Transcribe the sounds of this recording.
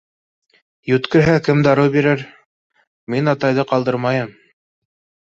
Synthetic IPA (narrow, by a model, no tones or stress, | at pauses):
jɵ̆t̪kɘ̆ɾɦækɘmd̪ɑɾɤwbiɾɘɾ | minɑt̪ɑjðɤqɑlˠd̪ɤɾmɑjɤm